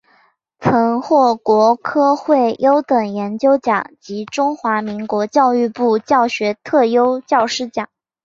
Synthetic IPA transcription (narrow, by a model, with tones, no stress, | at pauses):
t͡sʰɤ˧˥ŋxwɔ˥˩kwɔ˧˥kʰɤ˥xwe˥˩ɪjo˥ʊt̪ɤ˨˩ŋjɛ˧˥nt͡ɕjo˥ʊt͡ɕjɑ˨˩˦ŋt͡ɕi˧˥ʈ͡ʂʊ˥ŋxwa˧˥mi˧˥ŋkwɔ˧˥t͡ɕjɑ˥˧ʊy˥˧pu˥˩t͡ɕjɑ˥˩ʊɕɥɛ˧˥t̪ʰɤ˥˩jo˥ʊt͡ɕjɑ˥˩ʊʂɻ̩˥˩t͡ɕjɑ̰˨˩˦ŋ